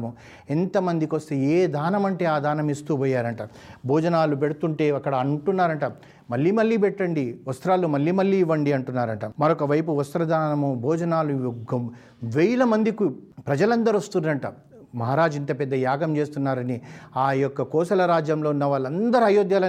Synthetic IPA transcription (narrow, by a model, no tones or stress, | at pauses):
mu | ent̪ɐmɐnd̪ikost̪eeːd̪ʱaːnɐmɐɳʈe̞ːaːd̪ʱaːnɐmist̪uːpɔːjːaːɾɐɳʈɐ | bʱɔːd͡ʒɐnaːlup̬eɽut̪uɳʈe̞ːɐkːɐɽɐɐɳʈunːaːɾɐɳʈɐ | mɐlːiːmɐlːiːpɛʈːɐɳɖiʋɐst̪ɾaːlumɐlːiːmɐlːiːʋːɐɳɖiɐɳʈunːaːɾɐɳʈɐmɐɾɔkɐʋɐjpuʋɐst̪ɾɐd̪aːnɐmubʱɔːd͡ʒɐnaːlujɡɐm | ʋɛːlɐmɐnd̪ikupɾɐd͡ʒɐlɐnd̪ɐɾost̪und̪ɐɳʈɐ | mɐɦaːɾaːd͡ʒint̪ɐpɛd̪ːɐjaːɡɐmt͡ʃe̞ːst̪unːaːɾɐniaːjɔkːɐkɔːsɐlɐɾaːd͡ʒjɐmlo̞ːunːɐʋaːɭɐnd̪ɐɾiɐjoːd̪jaːlɐ